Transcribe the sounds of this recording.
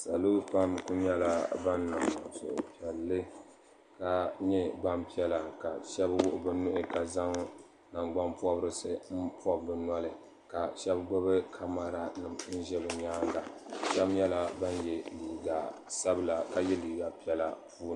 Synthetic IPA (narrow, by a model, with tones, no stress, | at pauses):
sa˨lo˦pa˦mku˦ɲɛ˦la˦ba˦nːa˨m˨so̰˨ʔʊ˨pi˨ɛ˨lːɨ˦ | ka˨ɲɛ˦ba˦mpi˦ɛ˦la˨ka˨ʃɛ˦bwʊ˦ʔʊ˨bɨ˦nʊ˦ʔɪ˨ka˨za˦ŋ | na˨ŋɡ͡ba˦npɔ˦bɾɨ˦sɨ˦m̩˦pɔ˦bːɨ˨˦na˦lɨ˨ | ka˨ʃɛ˦bɡ͡bʊ˦bɨ˦kʰa˦ma˨ɾa˨nɨ˨m˦n̩˦ʒɛ˦bɨ˨ɲaː˦ɡa˨ʃɛ˦bjɛ˦la˨ba˦njɛ˨liː˨ɡa˨sa˦bla˨ka˨jɛ˦liː˨ɡa˨pi˦ɛ˦la˦pʰuː˦n˨